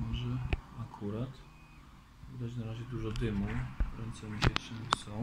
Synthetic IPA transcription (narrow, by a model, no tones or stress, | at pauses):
mɔʐɛakʰuɾat̪ | vd̪ad͡ʑnaɾaʑɛd̪uʐɔd̪ɘmuvɾɛnt̪sɛmiɕɛtʂɘnsɔ̃w